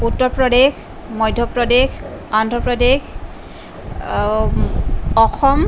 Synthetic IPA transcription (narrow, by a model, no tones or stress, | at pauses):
utːɔɹpɹɔdex | mɔjdʱjɔpɹɔdexandʱɔpɹɔdex | ɔxɔm